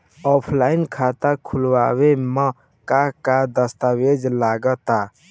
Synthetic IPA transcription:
ɔpʰlainkʰat̪əkʰulwa̰wemə | kakad̪əst̪awed͡ʒlaɡət̪a

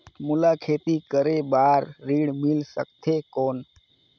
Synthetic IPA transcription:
mʊlaːkʰeːt̪ikəɾeːbaːɾːiːɽmɪlsə̰k̚t̪ʰeːkoːn

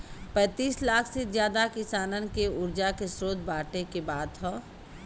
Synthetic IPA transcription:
pɛ̃ːt̪iːslaːkʰsed͡ʒjaːd̪akɪsaːnənkeʊɾd͡ʒakesɾoːd̪baːʈekebaːd̪ɦɔ̃ː

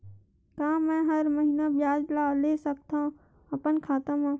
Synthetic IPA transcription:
kaːmɛ̃ːɦɐɾməɦinabjaːd͡ʒlaːleːsək̚t̪ã | ɐpənkʰaːt̪əmãː

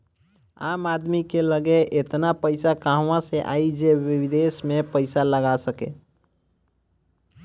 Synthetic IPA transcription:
amad̪mikeləɡeʔet̪napəɪsakaɦwãseʔa̰id͡ʒeʋid̪esmepəɪsaləɡasəkḛ

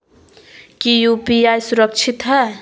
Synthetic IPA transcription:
kijupiajsuɾʌk̚t͡ʃʰit̪ɦʌ

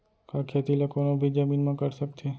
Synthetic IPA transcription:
kakʰeːt̪ilakoːnõbʱid͡ʒɐmiːnmãkɐɾsɐk̚t̪e

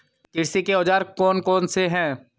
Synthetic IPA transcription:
kɪɽsikeɔːd͡ʒaːɾkɔːnkɔːnseɦɛ̃ː

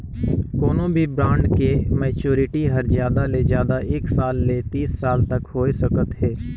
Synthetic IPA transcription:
kɔːnõbʱibɾãːɳɖkemɛːt͡ʃoːɾɪʈiɦəɾzjaːd̪alezjaːd̪aeːksaːlːet̪iːsːaːlt̪ɐkɦoːesəkət̪ɦɛː

